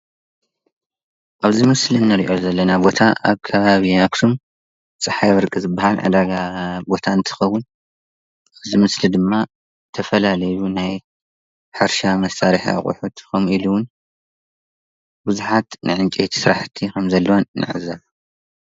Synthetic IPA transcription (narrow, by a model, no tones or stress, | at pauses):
ʔaβzimɨslinːɐɾiʔo̞zɐlːɐnabo̞t̪ʰaʔaβkʰɐβaβiakt̪ʰum | t͡sʼɨħajβɨɾkʼɨzɨbːahalʕa̰d̪aɡabo̞t̪ʰaɨnt̪ʰɨ̥xɐwːʊn | ʔaβzimɨslid̪ɨmːa | t̪ʰɐfɐlalɐjunaj | ħɨɾʃamɐsaɾiħa̰χʼṵħut̪kʰomiluwʊn | bɨzuħat̪nʔɨ̰ʕɨnt͡ʃʼet̪ʰi̥sɨɾaħt̪ʰikʰɐmzɐlːɐwannɨ̰ʕɨ̰zɐβ